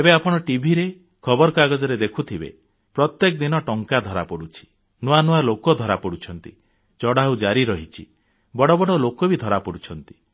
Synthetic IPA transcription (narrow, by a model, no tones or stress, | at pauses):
ebeapɔɽ̃ɔʈibʱiɾe | kʰɔbɔɾɔkaɡɔd͡ʒɔɾed̪ekʰut̪ʰibḛ | pɾɔt̪jekɔd̪inɔʈɔŋkad̪ʱɔɾapɔɽut͡ʃʰi̥ | nuanualokɔd̪ʱɔɾapɔɽut͡ʃʰɔnt̪ḭ | t͡ʃɔɽaud͡ʒaɾiɾɔɦit͡ʃʰḭ | bɔɽɔbɔɽɔlokɔbid̪ʱɔɾapɔɽut͡ʃʰɔnt̪i̥